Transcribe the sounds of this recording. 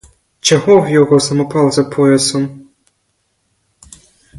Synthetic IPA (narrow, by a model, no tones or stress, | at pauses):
t͡ʃɔɣɔwjɔɣɔsɐmɔpalˠzɐpʰɔjɐsɔm